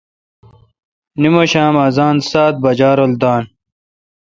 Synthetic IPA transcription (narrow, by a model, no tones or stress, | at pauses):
nimoɕaːmɐzaːnsaːt̪̚bɐd͡ʑaːɾold̪aːn